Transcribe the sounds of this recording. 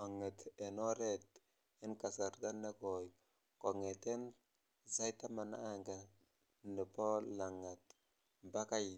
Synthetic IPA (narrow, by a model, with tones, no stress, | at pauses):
o˨ŋe˨te˨no˦ɾe˦t | i˦nka˨sa˨ɾɡa˦nːe˦ko˨j | ko˨ŋe˨te˦n | za˦jta˦ma˨naː˦ŋɡa˨ | ni˨po˦la˨ŋa˨t | ba˦ka˦j